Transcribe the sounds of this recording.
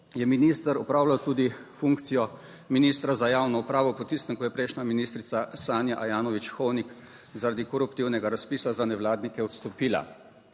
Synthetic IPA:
jɛminist̪əɾɔpɾaːwlawt̪uːd̪ifuŋkt̪sijɔ | miniːst̪ɾazajaːwnɔupɾaːʋɔpɔt̪ist̪əŋkɔjɛpɾɛɪʃnʲaminiːst̪ɾit̪sasaːnjaʔajaːnɔʋit͡ʃxɔwnik | zaɾad̪ikɔɾupt̪iwnɛɡaɾaspiːsazanɛʋlaːd̪nikɛɔt̪st̪ɔpiːla̰

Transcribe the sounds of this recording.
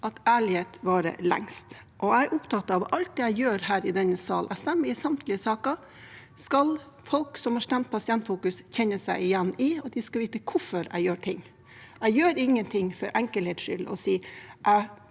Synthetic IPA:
ɑt̪æːɭɪheːt̪ʋɑːɾə̰lɛ̰ŋst̪ | ʔɔæɪʔʊpt̪ʰɑt̪ːɑʋɑlt̪̚d̪ɛːæɪjøːɾɦæːɾɪd̪ɛnːəsɑ̰ːlʔæ̰ɪst̪ɛmːəɾɪsɑmt̪ʰlɪəsɑːkɑ | skɑl | fɔlksɔmhɑʂt̪ɛmt̪̚pʰɑsɪɛnt̪fuːkʉsçɛnːəsæɪɪjɛnːɪɑt̪̚d̪ɪskɑʋiːt̪əkʰʊfɔɾæ̰ɪjøːʈʰɪŋː | æɪjøːɾɪŋːənt̪ʰɪŋːfɔɾʔɛŋkəlheːt̪sʂʏ̰lɔ̰siːʔæɪ

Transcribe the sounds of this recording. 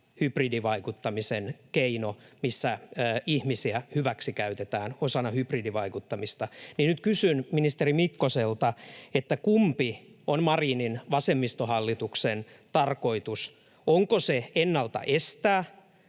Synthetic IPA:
hypridiʋɑikut̪ːɑmisenkeinomisːæːihmisiæhyʋæksikæyt̪et̪æːnosɑnɑhypridiʋɑikut̪ːɑmist̪ɑninnyt̪̚kysynminist̪erimikːoselt̪ɑet̪ːækumpionmɑriːninʋɑsemːist̪ohɑlːit̪uksen | t̪ɑrkoit̪us | ʔoŋkoseenːɑlt̪ɑ̰ʔest̪æː

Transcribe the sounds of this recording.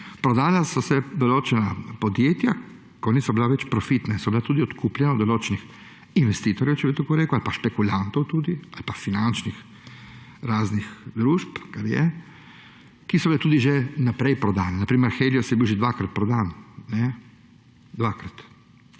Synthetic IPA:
pɾɔd̪aːjasɔsɛd̪oloːt͡ʃɛnapod̪jeːt̪ja | kɔnisɔbilaʋɛt͡ʃpɾɔfit̪nasɔbilat̪uːd̪iɔt̪kʰuplʲjɛnad̪ɔloːt͡ʃɛnix | inʋɛst̪iːt̪ɔɾjɛwt͡ʃɛbit̪okoɾeːkualipaʃpɛkulant̪ɔwt̪uːd̪ialipafinant͡ʃnix | ɾaːznixd̪ɾuːʃpkaɾjɛ̰ | kisɔbilɛt̪uːd̪iʒɛnapɾɛjpɾɔd̪aːnɛnapɾiːmɛɾxɛjliosjɛbiwʒɛd̪ʋakɾat̪̚pɾɔd̪aːnnɛ | d̪ʋaːkɾat̪

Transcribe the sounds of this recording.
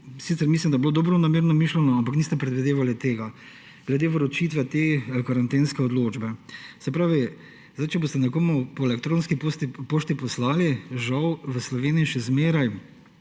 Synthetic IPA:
sit̪sɛɾmislimd̪ajɛbloːd̪oːbɾɔnameːɾnɔmiʃlɛnɔampakniːst̪ɛpɾɛd̪ʋid̪eːʋalit̪eːɡa | ɡ̥lɛd̪eːʋɾɔt͡ʃiːt̪ʋɛt̪eːkaɾant̪eːnskɛɔd̪loːd͡ʒbɛsɛpɾaːʋi | zd̪ajt͡ʃɛboːst̪ɛnɛkoːmupɔɛlɛkt̪ɾõːnskipt̪poːʃt̪ipɔslaːliʒawʋəslɔʋeːniiʃɛzmeːɾaj

